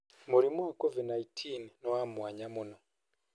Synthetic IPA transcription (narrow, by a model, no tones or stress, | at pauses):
muɾimuwakɔvidnaitʰinnɔamuwaɲamunɔ